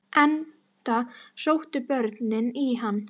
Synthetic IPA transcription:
ʔɛn | t̪asowht̪ʏpœɾt̪nɪniɦanː

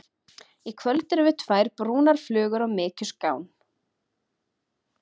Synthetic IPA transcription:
ikʰvœlt̪ʏɾɪvʏt̪ʰvaːjɾpɾuːnaɾ̥flʏːɣʏɾɔɣmɪːcʏskaːwn

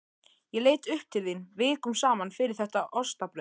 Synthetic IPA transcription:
jɛleːjt̪ʏhp̚t̪ʰɪlðinvɪːkʏmsaːmanfɪɾɪɾ̥θɛht̪aʔɔst̪apɾɛ

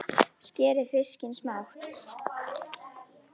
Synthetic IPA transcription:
scɛːɾɪ̥fɪscɪnsmawht̪

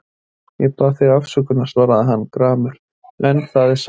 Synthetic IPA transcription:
jɛpaːθɪɣafsœkʏnḁsvaːɾaðɪɦanːkɾaːmʏɾ̥ | ɛnːθaðɪɾ̥s

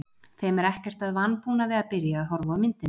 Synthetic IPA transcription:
θejmɛɾɛhcɛr̥t̪aðvanːpuːnavɪðapɪɾjaːðɦɔɾvɔʏmɪnt̪ɪn

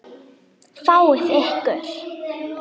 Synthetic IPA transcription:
faːwɪθɛhkœɾ̥

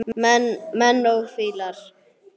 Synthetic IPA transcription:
mɛnːowfiːlaɾ̥

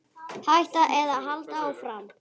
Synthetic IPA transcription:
hajht̪aʔɛðaɦalt̪aɔɣfɾam

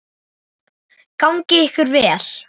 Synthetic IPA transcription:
kawŋcɪɪhkʏɾvɛːl̥

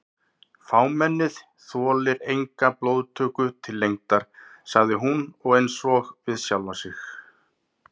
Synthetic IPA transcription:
faːwmɛnːɪð | θɔːlɪɾejŋkaploːwðt̪ʰœːkʏt̪ʰɪlːejŋt̪aɾ̥saɣðɪɦunɔɣejnsɔɣvɪðsjawlvasɪx

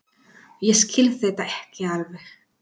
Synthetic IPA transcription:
jɛskɪlθejt̪aɛhcɪaɾvɪ

